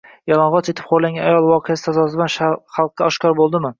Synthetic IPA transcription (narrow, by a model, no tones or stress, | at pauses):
jɒlˠɒɴʁɒt͡ʃet̪ʰɪ̥p̚qʰoɾlaŋɡʲanajɒlˠvɒqʰejasɪ̥t̪ʰazɒs̬ɪd̪anχɑlˠq̚ːaɒʃkʲɒɾbolˠd̪ɪmɪ